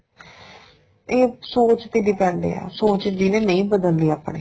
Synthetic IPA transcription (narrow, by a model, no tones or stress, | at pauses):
eːsoːt͡ʃt̪eːɖiːpɛ̃ːɳd̪ḛːa̰ːsoːt͡ʃd͡ʒinẽːnəĩːbəd̪əld̪iːaːpɳḛː